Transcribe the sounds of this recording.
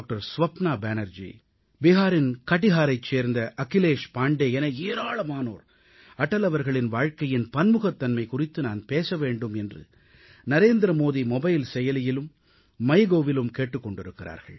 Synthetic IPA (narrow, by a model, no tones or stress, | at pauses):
k̚ʈɐɾsʋɐpnaːbeːnɐɾd͡ʒḭ | bɪɦaːɾɪnkɐʈːɪɣaːɾɐɪt͡ʃːeːɾnd̪ɐʔɐkɪleːʂpaːɳɖeːɛnɐeːɾaːɭɐmaːno̰ːɾ | ɐʈːɐlɐʋɐɾɣɐɭɪnʋaːɻkɐjɪnpɐnmɯɣɐt̪ːɐnmɐɪkʊrɪt̪ːɯnaːnpeːsɐʋeːɳɖɯmɛndrɯ̰ | nɐɾeːnd̪ɾɐmoːðimɔbɐjlsɛjɐlɪjɪlɯmː | ɐɪɣoːʋɪlɯmkeːʈːɯkːɔɳɖɪɾɯkːɪra̰ːɾɣɐ̰ɭ